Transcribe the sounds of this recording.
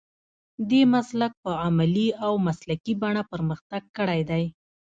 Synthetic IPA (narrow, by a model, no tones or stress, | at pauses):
d̪emaslak̚pəamaliawmaslakibaɳapəɾməxt̪aɡ̚kəɽajd̪aj